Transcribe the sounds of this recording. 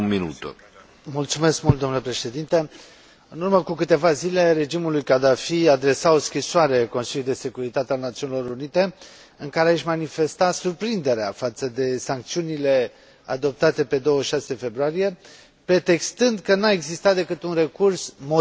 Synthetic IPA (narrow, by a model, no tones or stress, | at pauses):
minut̪ | mult̪sume̞skmult̪d̪o̞mnule̞pɾe̞ʃe̞d̪int̪e | ɨnurməkukɨt̪e̞vazile̞ɾe̞d͡ʒimulujkad̪afiad̪ɾe̞saoskɾisoaɾe̞ko̞nsiljud̪e̞se̞kuɾit̪at̪ealnat̪siunilo̞ɾunit̪e̞ | ɨŋkaɾeaaʃmanife̞st̪asurpɾind̪e̞ɾeafat̪səd̪e̞saŋk̚t̪siunile̞ | a̰d̪o̞p̚t̪at̪e̞pe̞d̪o̞wəʃase̞fe̞bɾoaɾije̞ | pɾe̞t̪e̞kst̪ɨnd̪kənae̞ɡzist̪at̪̚d̪e̞kɨt̪unre̞kursmo